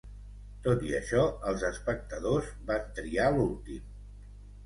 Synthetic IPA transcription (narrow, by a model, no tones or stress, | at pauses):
t̪ot̪iəʃɔəlˠzəspək̚t̪əðozbant̪ɾialulˠt̪im